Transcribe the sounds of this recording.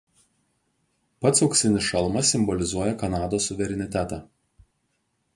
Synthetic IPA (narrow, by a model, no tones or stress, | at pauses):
pɐt̪sɐʊksʲɪnʲɪʃɐlˠmɐɪmbɔlʲɪzuɔjɛkɐnɑːd̪oːsːʊʋʲɛɾʲɛnʲɪt̪ʲæt̪ɑː